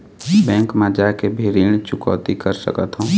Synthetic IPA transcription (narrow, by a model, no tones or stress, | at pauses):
bɛ̃ːŋkmãd͡ʒakebʱiɾiːñt͡ʃʊkɔ̰ːt̪ikəɾsə̰kət̪ɦũː